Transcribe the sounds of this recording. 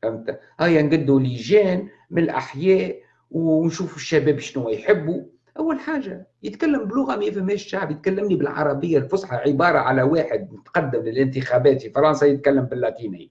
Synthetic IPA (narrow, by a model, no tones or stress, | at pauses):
ʔɪmt̪æ | hæjːanɡɪd̪ːuliʒɛːn | mɪnɪlʔa̰ħjɛːʔ | wnʃuːfʊʃːæbɛːbʃɪnuwæjħɪbːu | ʔawːalħaːʒajɪt̪kalːəmblʊɣamæjæfɪmhɛːʃʃaʕbjɪt̪̚kælːɪmnibɪlʕɑ̰ɾˤɑbɪjːalfʊsˤħɑʕɪbɑːɾˤɑʕalæwaːħɪd̪̚nɪt̪qɑd̪ːəmlɪlʔɪnt̪ɪxæbɛːt̪fifɑɾˤɑnsɑjɪt̪̚kalːəmbɪlːæt̪inɪj